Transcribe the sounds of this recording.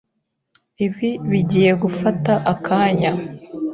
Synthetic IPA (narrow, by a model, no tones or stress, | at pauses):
iβiβiɟiːje̞ɡufataʔakʰaːɲa